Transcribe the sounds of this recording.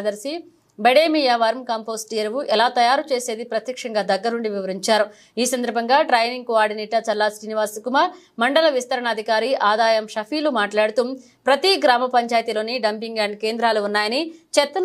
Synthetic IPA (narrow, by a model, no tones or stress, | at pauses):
d̪ɐɾsi | bɐɽeːmijaːʋɐɾmkaːmpoːsʈijɐɾʋuʔɛlaːt̪ɐjaːɾut͡ʃe̞ːse̞ːd̪ipɾɐt̪jɐkʂɐŋɡaːd̪ɐɡːɐɾnuɳɖiʋiʋɐɾiɲt͡ʃaːɾu | iːsɐnd̪ɐɾbʱɐŋɡaːʈɾɐjniŋɡkuaːɖiniʈːɐt͡ʃɐlːaːsɾiːniʋaːskumɐ | mɐɳɖɐlɐʋist̪ɐɾɐɳɐd̪ʱikaːɾiʔaːd̪aːjɐmʃɐpʰiːlumaːʈlaːɽut̪um | pɾɐt̪iɡɾaːmɐpɐɲt͡ʃaːjt̪ilo̞ːniɖɐmpiŋɡaːɳɖkeːnd̪ɾaːluːnːaːjɐnit͡ʃɛt̪ːɐ